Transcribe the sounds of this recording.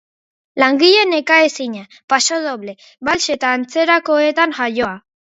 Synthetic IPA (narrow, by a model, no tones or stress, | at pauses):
laŋɡiʎe̞ne̞kaesiɲa | paso̞ðoβle̞ | βalʃe̞t̪aːnt͡se̞ɾako̞et̪aŋʝajo̞a